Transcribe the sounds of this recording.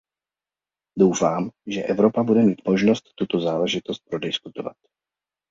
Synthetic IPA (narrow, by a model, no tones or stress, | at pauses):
dowfaːmʒɛʔɛvɾo̞pabudɛmiːt̪mo̞ʒno̞st̪ːut̪o̞zaːlɛʒɪt̪o̞st̪̚pɾo̞dɪskut̪ova̰t̪̚